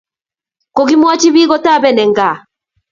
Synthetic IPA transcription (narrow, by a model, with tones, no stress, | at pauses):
ko˨ɣi˦mwɔ˦t͡ʃi˦βi˦ɣɔ˦ta˦˨βɛ˦nɛ˨ŋɡa˨